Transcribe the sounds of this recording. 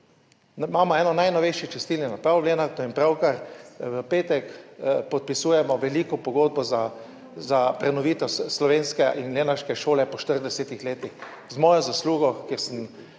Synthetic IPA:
nmaːmɔɛːnɔnajnɔʋejʃit͡ʃɛst̪iːlnʲinapɾawleːnaɾt̪ɔimpɾawkaɾʋəpeːt̪ɛkpɔt̪̚pisuːjɛmɔʋɛlikɔpɔɡoːd̪̚bɔza | zapɾɛnɔʋiːt̪ɛsslɔʋeːnskɛʔinleːnaɾʃkɛʃoːlɛpɔʃt̪əɾd̪ɛsɛt̪ixleːt̪ix | zmɔːjɔzasluːɡɔkʲjeːɾsəm

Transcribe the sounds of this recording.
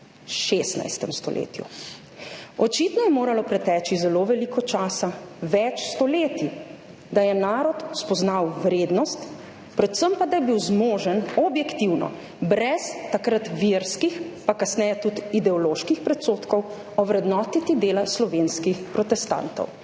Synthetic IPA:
ʃeːst̪na̰jst̪ɛmst̪ɔ̰lʔḛːt̪jṵ | ɔt͡ʃit̪nɔjɛmoːɾalɔpɾɛt̪ɛːt͡ʃizɛloːʋɛlikɔt͡ʃaːsaʋɛt͡ʃst̪ɔleːt̪i | d̪ajɛnaːɾɔt̪spɔznawʋɾeːd̪nɔst̪ | pɾɛt̪səmpad̪ajɛbiwzmoːʒənɔbjɛkt̪iwnɔ̰ | bɾɛst̪akɾat̪ʋiɾskixpakasnɛjɛt̪ut̪id̪ɛɔloːʃkixpɾɛt̪soːt̪kɔw | ɔʋɾɛd̪nɔːt̪it̪id̪eːlaslɔʋeːnskixpɾɔt̪ɛst̪a̰nt̪ɔ̰w

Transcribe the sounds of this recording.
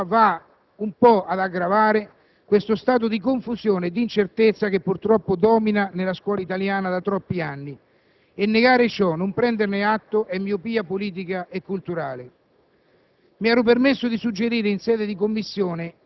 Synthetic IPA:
va | umpɔad̪aɡɾavaːɾɪ | kwest̪ʊst̪aːt̪̬ʊd̪ikoɱfusjoːnɪd̪ːint͡ʃert̪ɪt̪sːak̟epːurt̪ɾɔpːʊd̪ɔːminanelaskwɔːlait̪aljaːnad̪at̪ɾɔpːianːi | enːeɡaːɾɪt͡ʃɔnʊmpɾɛnd̪ernɪat̪ːʊʔɛmːiːʊpiːapoliːt̪̬ikaʔekːult̪uɾaːlɪ | miaːɾʊp̬ermesːʊd̪isud͡ʒːeɾiːɾɪinsɛːd̪ɪd̪ikomːisːjoːnɪ

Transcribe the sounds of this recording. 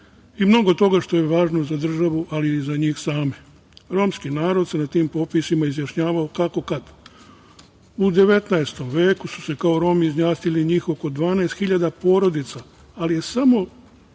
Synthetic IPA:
imno̞ɡo̞t̪o̞ɡaʃt̪o̞je̞ʋaːʒno̞zad̪r̩ʒaʋuʔalizaɲiːxsaːme | ɾo̞ːmskinaːɾo̞d̪se̞nat̪iːmpo̞pisimaizjaʃɲaːʋaokako̞kad̪ | ud̪e̞ʋe̞t̪naest̪o̞mʋe̞ːkusu̥se̞kao̞ɾo̞ːmiizɲaːst̪iliɲiːxo̞ko̞d̪ʋaːneːst̪xiʎad̪apo̞ːɾo̞d̪it̪saː | lije̞samo̞

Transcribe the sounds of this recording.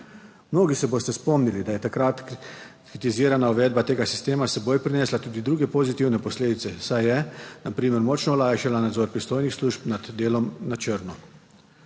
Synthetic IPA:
mnoːɡisɛboːst̪ɛspɔmnilid̪ajɛt̪akɾat̪kɾit̪iziːɾanauʋɛːd̪̚bat̪eːɡasi̥st̪eːmasɛboːjpɾinɛːslat̪uːd̪id̪ɾuːɡɛpozit̪iwnɛpɔsleːd̪it̪sɛsajɛnapɾiːməɾmɔt͡ʃnɔɔlaːjʃalanad̪zɔːɾpɾist̪oːjnixsluːʃpnad̪d̪eːlɔmnat͡ʃəɾnɔ

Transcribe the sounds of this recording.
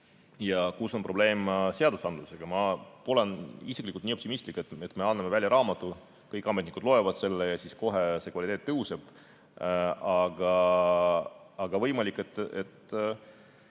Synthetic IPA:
jɑkuso̞npro̞b̥le̞ːmse̞ɑd̪usɑnd̪luse̞ɡ̥ɑmɑpo̞le̞nisiklikult̪niːopt̪imist̪likːˑet̪ːet̪ːˑme̞ɑnːɑme̞vælʲjɑɾɑːmɑt̪ːˑu | kɤjkːˑɑmet̪nikud̪̥lo̞evɑd̪̥se̞lːejɑsisko̞ɦese̞kvɑlit̪eːt̪ːɤɦuseb̥ | ɑɡ̥ɑ | ɑɡ̥ɑvɤjmɑlikːˑet̪ːet̪

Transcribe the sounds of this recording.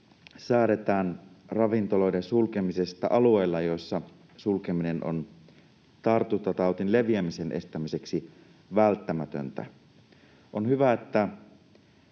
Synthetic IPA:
sæːɾet̪æːnrɑʋint̪olo̞idensulkemisest̪æʔɑlue̞ːlːɑjo̞sːɑ | sulkemine̞no̰n | t̪ɑrt̪ut̪ːɑt̪ɑwt̪inleʋiæmisenʔe̞̰st̪æmise̞ksi | ʋælt̪ːæmæt̪ø̰nt̪æ̰ | ʔonhyʋæet̪ːæ

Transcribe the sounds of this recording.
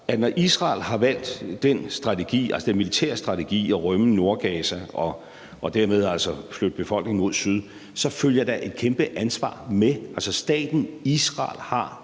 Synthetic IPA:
æ̥nɒʔisʁɑ̈ːlɦɑ̈ʋæl̰d̥ːensd̥ʁɑ̈t͡sʰe̝ɡ̥ḭːæl̰səd̥enmilit͡sʰæ̰ɐ̰sd̥ʁɑ̈t͡sʰeɡ̥ḭːɒʁœməno̝ɐɡ̥ɛːsæɒ̽ː | d̥æɐ̰með̞ˠælsɒflød̥̚b̥e̝fɒ̽l̰ɡ̥ne̝ŋ̩mo̝ð̞̰ˠsyð̞ˠ | sɒ̽føljɐd̥ɑ̈ʔe̝d̥̚kʰemb̥əʔænsʋɑ̰̈ːmeʔælsɒ̽sd̥ɛ̰ːd̥n̩isʁɑ̰̈ːlhɑ̈

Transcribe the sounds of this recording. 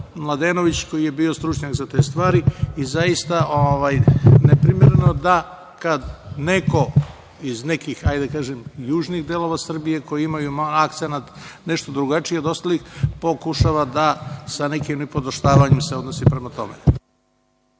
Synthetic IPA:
mlˠad̪e̞ːno̞ʋit͡ɕkojije̞bio̞st̪ɾut͡ʃɲakzat̪e̞ːst̪ʋaːɾiizajist̪aʔoʋajnepɾimeɾeno̞d̪a | kad̪neko̞ | izne̞kixajd̪akaːʒemjuːʒniɣd̪elˠo̞ʋasr̩bije̞ko̞jiimajumaak̚t̪senat̪ | ne̞ʃt̪od̪ɾuɡat͡ʂijed̪ost̪alixpo̞kuʃaːʋad̪asanekimnipo̞d̪oʃt̪aːʋaɲemseod̪nosipɾe̞mat̪o̞̰mḛ

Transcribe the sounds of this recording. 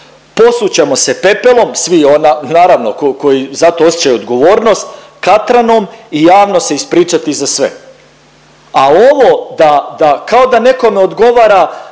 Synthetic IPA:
po̞sut͡ɕe̞mo̞se̞pe̞pelˠo̞msʋionanaːɾaʋnokoko̞jizat̪o̞osjet͡ɕajuod̪ɡo̞ʋo̞ːɾno̞st̪kat̪ɾanomijaːʋno̞se̞ispɾiːt͡ʃat̪izasʋḛ | ao̞ʋo̞d̪ad̪akao̞d̪ane̞ko̞me̞od̪ɡo̞ʋaːɾa

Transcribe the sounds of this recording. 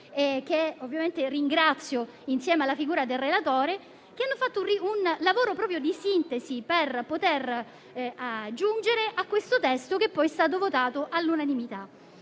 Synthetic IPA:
ek̟ːeovːjament̪eriŋɡɾat̪sːjo | insjɛːmealːafiɡuːɾad̪elrːelat̪oːɾe | k̟eanːofat̪ːoriunlavoːɾopɾɔːpɾjod̪isint̪esiperpot̪er | ad͡ʒːund͡ʒeɾeʔakːwest̪ot̪ɛst̪ok̟epːɔjɛst̪aːt̪̬ovot̪aːt̪oʔalːunanimit̪a

